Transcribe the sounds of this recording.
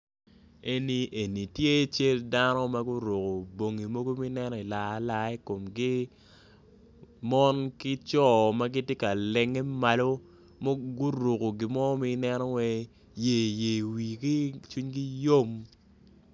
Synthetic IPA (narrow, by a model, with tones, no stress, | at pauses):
e˦ni˨ʔe˨ni˨tje˦t͡ʃe˦lda˦nɔ˦ma˦ɡu˦ɾo˨ko˨bo˨ŋi˨mo˦ɡo˦mi˦nɛ˦nɔ˨i˨la˨˦la˦i˦ko˨mɡi˦ | mɔ˦nkɪ˦t͡ʃɔ˦˨ma˦ɡɪ˦tje˦ka˨lɛ˨ŋe˦ma˨lo˦ | mo˦ɡu˦ɾo˨ko˨ɡɪ˨mɔ˦mi˦nɛ˦nɔ˦wɛ˦ | je˨je˨wi˨ki˦t͡ʃu˦ɲki˦jo˦m